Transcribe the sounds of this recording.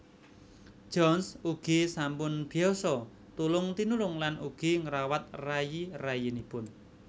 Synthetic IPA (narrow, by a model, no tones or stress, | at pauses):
d͡ʒ̥ɔnsuɡ̥isampʊnb̥i̤ɔsɔ | t̪ulʊŋt̪inulʊŋlanʔuɡ̥i̤ŋəɾawat̪̚rajirajinipʊn